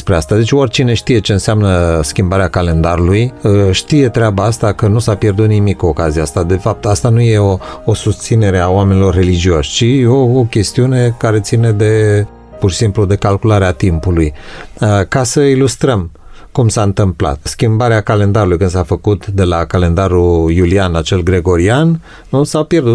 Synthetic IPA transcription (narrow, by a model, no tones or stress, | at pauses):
spɾeast̪ad̪e̞t͡ʃʲorʲt͡ʃine̞ʃt̪ije̞t͡ʃe̞ɨnseamnəskʲimbaɾeakale̞nd̪aɾulujʃt̪ije̞t̪ɾeabaast̪akənusapje̞rd̪ut̪̚nimikːokazijaast̪ad̪e̞fap̚t̪ast̪anuje̞oosust̪sine̞ɾe̞aoame̞nilo̞rːe̞lid͡ʒioʃʲt͡ʃiookʲe̞st̪iune̞kaɾe̞t̪sine̞d̪e̞ | purʃi̥simplud̪e̞kalkulaɾeat̪impulujəkasəilust̪ɾəm | kumsaɨnt̪ɨmpla̰t̪skʲimbaɾeakale̞nd̪aɾulujkɨnsafəkut̪d̪e̞lakale̞nd̪aɾujulianat͡ʃe̞lɡɾe̞ɡo̞ɾian | nusapje̞rd̪ut̪